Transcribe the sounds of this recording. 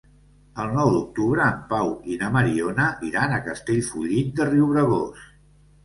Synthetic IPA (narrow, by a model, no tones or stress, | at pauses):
əlˠnɔwd̪uk̚t̪uβɾəːmpawinəməɾionəʔiɾanəkəst̪eʎfuʎit̪̚d̪əriuβɾəɣos